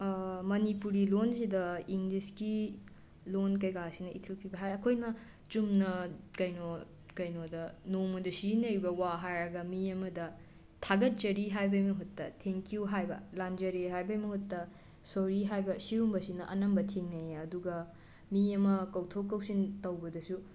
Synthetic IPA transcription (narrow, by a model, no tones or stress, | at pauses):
mɐnipuɾilonsidɐiŋliski | lonkɐjɡasinɐʔitʰilpʰibɐɦajɐkʰojnɐ | t͡ʃumnɐkɐjno | kɐjnodɐnomɐdusinɐɾibɐwaɦajɾɐɡɐmiɐmɐdɐ | tʰaɡɐt̚zɐɾiɦajbɐjmɐɦutːɐtʰeŋkijuɦajbɐ̰land͡ʒɐɾiɦajbɐjmɐhutːɐ | soɾiɦajbɐsiumbɐsinɐʔɐ̰nɐmbɐtʰeŋnɐjeɐduɡɐ | miɐmɐkɐwtʰokːɐwsintɐwbɐdɐsu